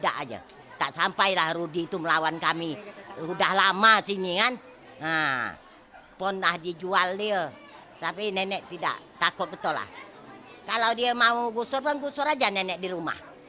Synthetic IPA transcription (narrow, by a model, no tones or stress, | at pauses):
da̰ʔad͡ʒə̰ | t̪aʔsampajlahɾudit̪uməlawankamirudahlamasiniŋan | a | pʊnlahdid͡ʒualdiə | sapinɛnɛʔt̪ida̰ʔt̪akʊt̪̚bət̪ɔla̰h | kalawdiəmauɡusʊrpɔnɡusʊɾad͡ʒanenɛʔ̚diɾuma̰h